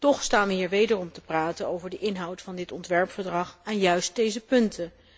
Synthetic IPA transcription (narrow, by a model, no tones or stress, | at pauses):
tɔχstaːnʋəɦiːɹʋejdərɔmtəpraːtənowvəɹdəʔɪnɦɑwtfɑndɪtɔntʋɛɹpfəɹdrɑχaːnjœɥst̚dejzəpɵntʰə